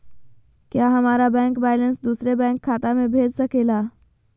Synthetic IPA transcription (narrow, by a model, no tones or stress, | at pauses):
kjaɦəmaːɾabɛ̃ːŋkbɛːjlə̃nsd̪uːsɾebɛ̃ːŋkʰːaːt̪amẽbʱeːd͡ʒsəkelaː